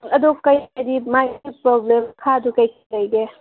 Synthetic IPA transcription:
ɐd̪okəjdimajipɾɔblemkʰadukəjkʰləjɡe

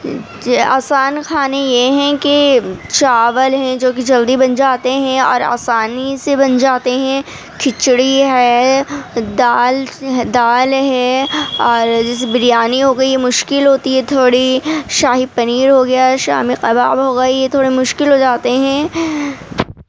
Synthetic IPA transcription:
a̰ːsaːnkʰaːnejeɦɛ̃kit͡ʃaːʋəlɦɛ̃d͡ʒoːk̬id͡ʒɐld̪ibɐnd͡ʒaːt̪eɦɛ̃ɔ̰ːɾa̰ːsaːnisebɐnd͡ʒaːt̪eɦɛ̃ | kʰɪt͡ʃɽiɦɛː | d̪aːlɦd̪aːlɦɛɔːɾd͡ʒɪsbɪɾijaːniɦoːɡɐijemʊʃkɪlɦoːt̪iɦɛt̪ʰoːɽiʃaːɦipɐniːɾɦoɡɐjaʃa̰ːmiqɐba̰ːbɦoːɡɐijet̪ʰoːɽemʊʃkɪlɦod͡ʒaːt̪eɦɛ̃ː

